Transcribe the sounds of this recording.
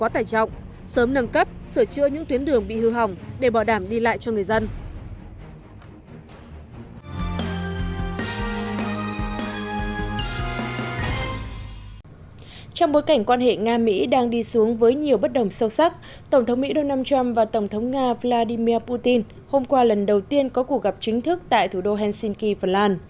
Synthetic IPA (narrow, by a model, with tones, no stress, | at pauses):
kɔ˨˦t̪aː˨˩jt͡ɕɔ̰˧˨wŋ͡m | səː˨˦mnə˧nkə˦˥p̚sɨ˧˩t͡ɕɨ̰˧əɲɨ̰˧˥ŋt̪wi˨˦ənɗɨ˨˩əŋɓḭ˧˨hɨ˧ɦa˨˩wŋ͡mɗe˧˩ɓaɔ˧˩ɗaː˧˩mɗi˧la̰ː˧˨jt͡ɕɔ˧ŋɨ˨˩əjzə˧n | t͡ɕɔ˧wŋ͡mɓo˨˦jka˧˩jŋ̟kwaː˧nɦḛ˧˨ŋaː˧mḭ˧˥ɗaː˧ŋɗi˧su˨˦əŋvəː˨˦jɲi˨˩əwɓə˦˥t̚ɗə˨˩wŋ͡msə˧wsa˦˥k̚ | t̪ə˧˩wŋ͡mt̪ʰə˨˦ŋ͡mmḭ˧˥ɗo˧naː˧nt͡ɕa˧mvaː˨˩t̪ə˧˩wŋ͡mt̪ʰə˨˦wŋ͡mŋaː˧vlaː˧ɗi˧mi˧əpu˧t̪i˧n | ho˧mkwaː˧lə˨˩nɗə˨˩wt̪i˧ənkɔ˨˦ku˨˩k̚ɣa˨˩p̚t͡ɕï˨˦ŋ̟t̪ʰɨ˦˥k̚t̪a̰ː˧˨jt̪ʰu˧˩ɗo˧ɦɛ˧nsi˧nki˧fə˨˩nlaː˧n